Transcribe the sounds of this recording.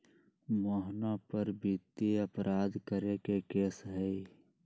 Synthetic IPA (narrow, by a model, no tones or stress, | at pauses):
moːɦnãpəɾbʱit̪eəpɾʔaːd̪kəɾekekeːsɦɛi